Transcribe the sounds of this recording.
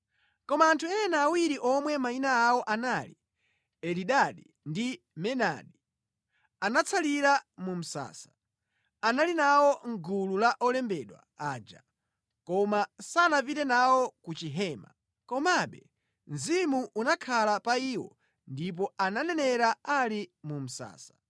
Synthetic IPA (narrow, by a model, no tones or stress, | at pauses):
kɔmaːntʰuɛnaːwiɾiʔɔmwɛmainaːwɔʔanali | ɛliɗaɗi | ndi | mɛna̰ɗi | anat͡sʰaliɾamum̩sa̰ːsḁ | analinawɔŋɡululaʔɔlɛmbɛɗwa̰aːd͡ʒa̰ | kɔmasanapitɛnawɔkut͡ʃiɦɛːma̰ | kɔmaɓɛ | nzimuʔunakʰalapaiːwɔ̰ | ndip̬ɔananɛnɛɾaalimum̩sa̰ːsḁ